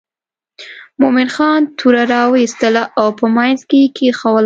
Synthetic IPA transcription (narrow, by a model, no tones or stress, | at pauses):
momɪnxɑnt̪ʰuɾaɾɑwəist̪əlaʔawpəmajnzkekʰexawəl